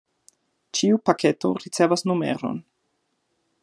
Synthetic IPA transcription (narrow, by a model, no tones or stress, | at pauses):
t͡ʃiupakʰe̞to̞̰ɾit͡se̞vasnume̞̰ɾo̞̰n